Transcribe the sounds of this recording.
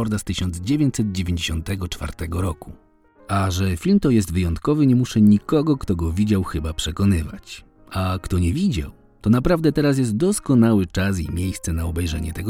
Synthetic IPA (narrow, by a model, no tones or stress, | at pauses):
ɔɾd̪ast̪ɘɕɔnd̪zd͡ʑevʲjeɲt͡ɕsɛd̪̚d͡ʑevʲeɲd͡ʑeɕɔnt̪ɛɡɔt͡ʂfa̰ɾt̪ɛɡɔɾɔku | aʐɛfʲilmt̪ɔjɛst̪vɘjɔnt̪kɔvɘɲɛmuʂɛɲikɔɡɔkt̪ɔɡɔvʲid͡ʑawxɘbapʂɛkɔnɘva̰t͡ɕ | akt̪ɔɲɛvʲid͡ʑa̰w | t̪ɔnapɾavd̪ɛt̪ɛɾas̬jɛs̬t̪̚d̪ɔskɔnawɘt͡ʂas̬ḭmʲjejst̪sɛnaɔbɛjʐɛ̰ɲɛ̰t̪ɛɡɔ